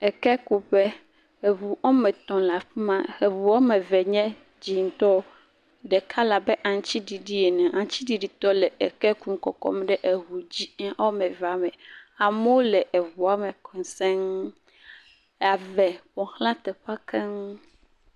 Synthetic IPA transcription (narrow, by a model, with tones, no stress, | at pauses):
ɛ˨kɛ˦ku˨ɸɛ˦ | e˨vu˨wo˦mɛ˨t̪ɔ̃˨la˨ɸi˦mã˦e˨vu˨ɔ˦mɛ˨vɛ˨ɲɛ̃˦ | d͡ʑi˨ŋ̩˦t̪ɔ˦ | ɖɛ˨kʰa˦la˨bɛ˦ʔã˨ŋ˦t͡ɕi˦ɖi˨ɖi˦e˨nɛ̃˨ʔã˨ŋ˦t͡ɕi˦ɖi˨ɖi˨t̪ɔ˦lɛ˨ʔe˨kɛ˦ku˦m˦kɔ̰˨kɔ̰˦m˦ɖɛ˦ʔe˨ɦu˨d͡ʑi˦ɛ˦wo˦mɛ̃˨va˨mɛ̃˨a˨me˦wo˦lɛ˨ʔe˨vu˨a˨˦mɛ˨kʰɔ̃˨˦sɛ̃˦ŋ | a˨vɛ˨ɸɔ̃˨xlã˦t̪ɛ˨ɸa˦kʰɛ˦ŋ˦